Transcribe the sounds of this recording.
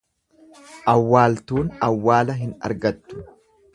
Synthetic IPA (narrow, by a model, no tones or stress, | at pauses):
ʔɐwːaːlt̪uːnɐwːaːlɐɦɪnɐ̰ɾɡɐt̪ːʊ̥